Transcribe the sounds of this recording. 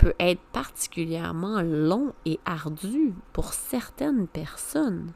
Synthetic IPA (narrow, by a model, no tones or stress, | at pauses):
pʰøʔɛːt̪χəpaʁt̪i̥kʲyljɛ̰ʁmɑ̃lɔ̃eʔaʁd̪ypuʁsɛʁt̪ɛnpɛʁsɔn